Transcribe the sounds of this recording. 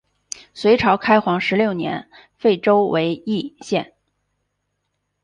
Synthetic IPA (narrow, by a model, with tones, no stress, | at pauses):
swe˧˥ɪʈ͡ʂʰɑ˧˥ʊkʰa˥ɪxwɑ˧˥ŋʂɻ̩˧˥ljo˥˩ʊnjɛ̰˧˥n | fe˥˩ɪʈ͡ʂo˥ʊwe˧˥ɪi˥˧ɕjɛ˥˩n